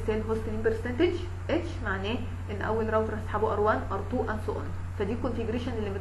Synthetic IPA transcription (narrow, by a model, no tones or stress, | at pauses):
sæːnfost̪niːmpeɾsent̪edd͡ʒ | ʔeʃmaʕnæː | ʔenːʔæ̰wːælɾˤɑwt̪ɑɾˤæsħaːboʔɑɾˤwæːnʔɑɾˤt̪ˤuːʔʔænsˤoʔn | fæd̪iːkonfeɡɾeʃænelːimet̪